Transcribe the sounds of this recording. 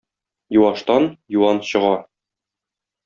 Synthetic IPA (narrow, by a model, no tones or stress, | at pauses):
juɑʃt̪ɑnjuwɑnɕɤ̆ʁɑ